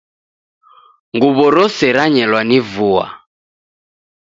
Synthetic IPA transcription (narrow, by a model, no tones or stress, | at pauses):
ŋɡuβɔɾɔsɛɾaɲɛlwanivua̰